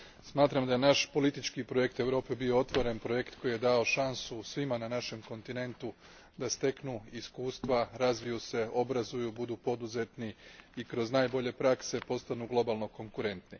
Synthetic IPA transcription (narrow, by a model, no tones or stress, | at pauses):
smaːt̪ɾamd̪ajenaʃpo̞lit̪it͡ʃkipɾoje̞k̚t̪e̞ʋɾo̞ːpe̞bio̞o̞t̪ʋo̞ɾe̞npɾo̞je̞kt̪ko̞jijed̪ao̞ʃansusʋimananaʃe̞mko̞nt̪ine̞nt̪u | d̪ast̪e̞knuiskuːst̪ʋaɾazʋijuse̞o̞bɾazujubud̪upo̞d̪uze̞t̪niikɾo̞znajbo̞ʎe̞pɾakse̞po̞st̪anuɡlˠo̞balˠno̞ko̞ŋkuɾe̞nt̪ni